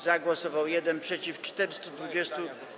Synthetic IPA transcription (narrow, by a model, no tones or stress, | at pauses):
zaɡwɔsɔvawjɛd̪ɛnpʂɛt͡ɕift͡ʂt̪ɛɾɘst̪ud̪vud͡ʑɛst̪u